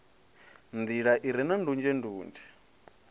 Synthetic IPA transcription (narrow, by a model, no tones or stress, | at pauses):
nd̪iɺaʔiɾinandund͡ʒɛnduːnd͡ʒɛ̥